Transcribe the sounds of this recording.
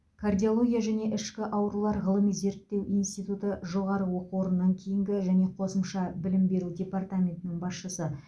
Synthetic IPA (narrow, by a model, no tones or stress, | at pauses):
kʰardʲiolˠo̞ɡʲijaʒæne̞ʔɪʃkʲɪʔɑwɾulˠɑɾʁəlˠəmijze̞ɾt̪ːe̞wʔijnst̪ijt̪ut̪əʒo̞ʁɑɾəwo̞quwo̞ɾənːɑŋkʲʰe̞jɪŋɡʲɪʒæne̞qʰo̞səmʃɑbɪlɪmbe̞ɾudʲe̞part̪amʲe̞nt̪ɪnɪŋbɑsʃəsə